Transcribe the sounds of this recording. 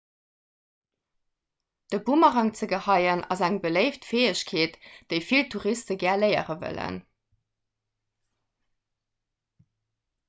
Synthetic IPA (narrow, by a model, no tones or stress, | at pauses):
d̥əbumɑʁɑŋt͡səɡəhɑɪənʔɑ̰zæŋbələɪftfeːəɕkʰeːtd̥əɪfiltʰuʁistəɡæːɐləɪə̰ʁəvə̰lə̰n